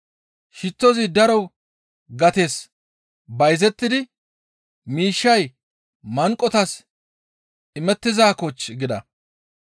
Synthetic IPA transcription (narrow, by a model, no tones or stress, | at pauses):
ʃɪt͡sːɔzɪd̪ɐɾɔw | ɡɐt̪e̞ːs | bɐjzɛt̪ːɪd̪ɪ | miːʃːɐj | mɐŋkʼːɔt̪ɐs | ɪmɛt̪ːɪzaːkɔt͡ʃːɡɪd̪ɐ